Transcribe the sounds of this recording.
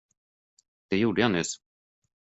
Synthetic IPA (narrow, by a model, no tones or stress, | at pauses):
d̪̥ɛjuːɖəjanʏs